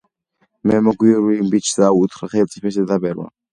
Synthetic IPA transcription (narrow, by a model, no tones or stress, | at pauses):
mɛmɔɡiɔɾimbit͡ʃʰd̪aut̪ʰχɾaχɛlsʼipʰɛs̬ɛd̪abɛɾwa̰